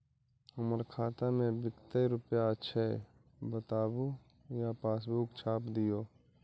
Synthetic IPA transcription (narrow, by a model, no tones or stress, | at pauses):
ʊməɾkʰaːt̪amẽbɪkt̪eɾʊpjaətːʃʰaɛ̰ | bət̪aːbu | japaːsbuːkt͡ʃʰaːpd̪ɪjoː